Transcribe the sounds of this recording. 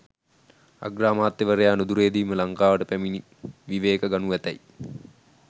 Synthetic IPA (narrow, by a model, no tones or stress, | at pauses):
a̰ɡraːmaːt̪ːeʋəɾejaːnud̪uɾeːd̪iːməlaŋkaːʋəʈəpæmini | ʋiʋeːkəɡanuʋæt̪æ̰j